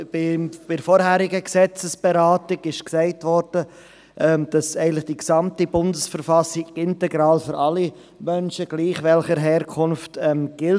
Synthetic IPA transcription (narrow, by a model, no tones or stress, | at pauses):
bɪb̥ɪdfɔɾhæːɾɪɡəksɛt͡səsb̥ɛɾaːtɪɡɪʃksɛɪtʋɔɾd̥ə | ʔɛmd̥ɑsɛɪən̩lɪχd̥iksɑmtibʊndəsfəɾfɑsɪɡɪntɛɡɾɑːlføɾɑli | mœnʃəɡ̥liːχʋɛlχəɾɦɛːɾkʰʊnftɛmɡ̥ɪl